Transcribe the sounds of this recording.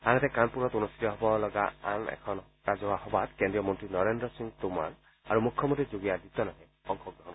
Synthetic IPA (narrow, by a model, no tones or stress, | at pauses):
anatɛkanpuɹɔtonust̪it̪ɔɦɔbɔlɔɡaa̰nɛ̰kʰɔn | kazɔwahɔbatkendɹijɔmɔntɹinɔɹendɹɔsiŋt̪uma̰ɹ | aɹumukʰːjɔmɔntizoɡijadit̪ɔnaɦɛ | ɔŋkʰɔɡɹɔɦɔn